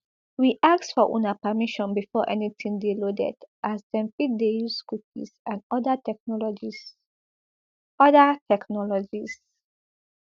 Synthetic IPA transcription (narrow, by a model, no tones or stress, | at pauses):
wiʔaksfɔʔṵ̃napəmiʃɔ̃nbifɔʔɛ̰nitʰĩŋdelodɛ̰dʔastɛ̃mpidejuskup̚ḭsãnɔdatɛk̚nɔlɔd͡ʒi | ɔdatʰɛknɔlɔd͡ʒis